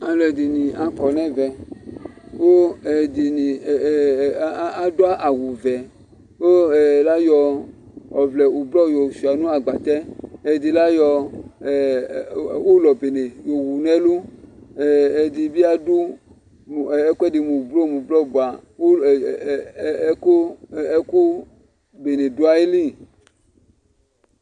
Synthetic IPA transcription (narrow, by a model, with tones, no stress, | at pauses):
a˨lɛ˨di˨nĩ˨a˨kɔ˨nɛ̃˦vɛ˨ | wo˦ɛ˨di˨ni˨˦ | a˦do˦a˦ʔa˨wu˨vɛ˨ | wo˦ɛ˨la˦jɔ˧ | ɔ˨vlɛ˨u˨blɔ˦˨jo˨su˨a˨nũ˦a˨ɡ͡ba˨t̪ɛ˦ɛ˨di˨la˦jɔ˧˨ | wo˦lɔ˨be˨ne˨jo˨wu˨nɛ˦lu˦˨ | ɛ˨di˨bi˦a˦du˦˨ | ɛ˦kɛ˦de˨mũ˨blo˦˨mũ˨blɔ˦˨bo˨a˨o˦˨˦ko˦ɛ˦ku˦ | be˨ne˨du˦a˦e˦li˦˨